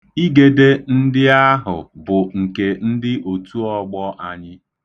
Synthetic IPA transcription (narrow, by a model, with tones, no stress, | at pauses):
i˦ɡe˨de˦n̩˦dɪ˦a˦ɦʊ̰˨bʊ˨ŋ̩˨ke˨n̩˦dɪ˦ʔo˨tu˦ɔ˦ɡ͡bɔ˦ʔa˨ɲɪ˦